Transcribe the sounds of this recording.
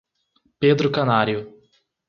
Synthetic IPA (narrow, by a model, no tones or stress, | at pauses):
ped̪ɾʊkanaɾjʊ